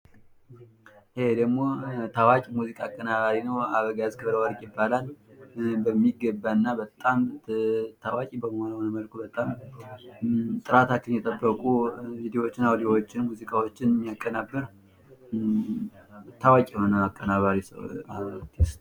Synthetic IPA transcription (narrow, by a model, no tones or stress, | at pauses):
hed̪əɡmo̞t̪ʰawakʼmuzikʼaːkʼːənaβaɾinəwaβəɡajazkʰəβɾəwaɾkʼjɪbːalal | bəmːiɡəbːaɨnːabət̪ʼːam | t̪ʰawakʼibəmhonəwnəməlkʰubət̪ʼam | t̪ʼɨɾat̪akːɨnjɛt̪ʼəbːəkʼuvid̪iwot͡ʃːɪnawd̪iwot͡ʃːɪnmuzikʼawot͡ʃːɪnmːjakʼːənabːɨɾ | t̪ʰawakʼihonəakʼːənaβaɾisat̪ʰis